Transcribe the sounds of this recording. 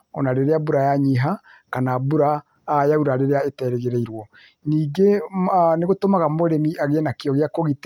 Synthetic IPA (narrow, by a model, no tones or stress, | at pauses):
ɔ̰naɾeɾeabuɾajaɲiɦa | kanabuɾa | jauɾaɾeɾeaetɛɾɛɣeɾɛiɾwɔ | niːɡeneɣotomaɣamoɾemiʔaɣeɛnakeɔɣeakoɣit